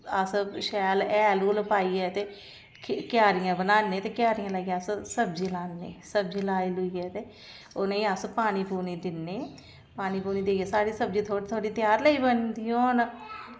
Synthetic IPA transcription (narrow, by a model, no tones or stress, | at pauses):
əsʃɛːlɛːluːləpaːiːɛːt̪eː | kjaːɾɪjãːbənaːnːeːt̪eːkjaːɾijãːləɡjãːssəbd͡ʒiːlaːnːeːsəb̚d͡ʒiːlaːiːlʊiːɛːt̪eː | ʊnẽiːəspaːniːpuːniːd̪ɪnːeː | paːniːpuːniːd̪eɛːsaːɽiːsəb̚d͡ʒiːt̪ʰoːɽiːt̪ʰoaːɽiːt̪ɪjaːɾləiːbənd̪iːõːn